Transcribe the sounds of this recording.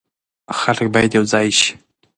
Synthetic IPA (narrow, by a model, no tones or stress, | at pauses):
xalək̚bɑjd̪jawd͡zɑjʃi̥